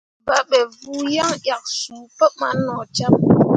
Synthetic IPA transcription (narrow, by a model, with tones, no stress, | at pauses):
ba˦ɓɛ˨vu˦ja˦ŋɗja˨k̚suː˨pə˦ma̰˦nɔ˨t͡ʃa˦p̚